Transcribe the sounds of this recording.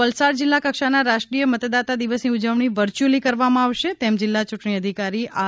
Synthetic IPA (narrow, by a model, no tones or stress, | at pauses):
əlsaɾd͡ʒɪlːakəkʃanaɾaʃʈɾijəmət̪d̪at̪ad̪iʋəsniud͡ʒəʋɳ̃iʋəɾt͡ʃulikəɾʋamãaʋʃet̪ɛmd͡ʒɪlːat͡ʃʊʈɳ̃iəd̪ʱikaɾia